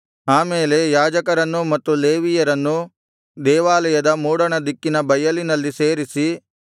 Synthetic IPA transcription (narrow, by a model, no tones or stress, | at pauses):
aːmeːle̞jaːd͡ʒɐkɐɾɐnːumɐt̪ːuleːʋijɐɾɐnːu | d̪ɛːʋaːlɐjɐd̪ɐmuːɽɐɳɐd̪ikːinɐbɐjɐlinɐlːiseːɾisi